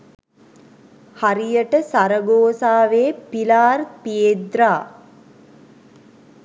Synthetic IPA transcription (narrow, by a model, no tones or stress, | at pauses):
haɾijəʈəsaɾəɡoːsaːʋeːpilaːrpijed̪ɾaː